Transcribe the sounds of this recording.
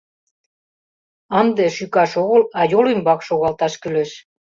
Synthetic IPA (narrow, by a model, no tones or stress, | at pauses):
ɑnd̪eʃykɑʃoɣɤlɑjolymbɑkʃoɣɑlt̪ɑʃkyleʃ